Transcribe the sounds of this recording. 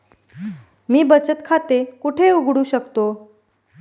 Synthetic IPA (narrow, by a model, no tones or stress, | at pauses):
miːbət͡ɕət̪kʰat̪ekuʈʰeuɡɽuːɕəkt̪o